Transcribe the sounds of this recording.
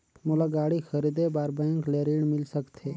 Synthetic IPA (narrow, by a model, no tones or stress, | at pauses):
mʊlaɡaːɽixəɾid̪ebaːɾbɛ̃ːŋkleːɾiːɽmɪlsəkt̪ʰeː